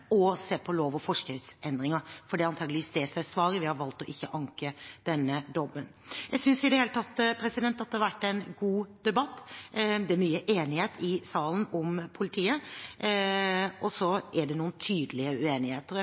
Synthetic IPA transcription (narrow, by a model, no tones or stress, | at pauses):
ɔseːpʰɔloːʋɔfɔʂkʉsɛnd̪ɾɪŋəɾfɔɖiɑnt̪ʰɑːɡlʋiːsd̪ɛsæɪsʋɑːɾəʋɪhɑɾʋɑlt̪ɔʔɪçːəʔɑŋkəd̪̥ɛnːəd̪ɔbːənjæɡsʏnsɪd̪ɛheːlət̪ʰɑt̪ːpʰɾɛsɪd̪ɛnt̪ːɑt̪̚ɛhɑɾʋæʈːɛɪnɡuːd̪̥ɛbɑt̪ːd̪ɛæɾmyːəʔeːnɪheːt̪ɪsɑːlən̩ɔmpʰʊlɪt̪ʰiːə | ɔsɔʔæɖɛnuːənt̪ʰyːd̪əlɪəʉeːnɪheːt̪əɾ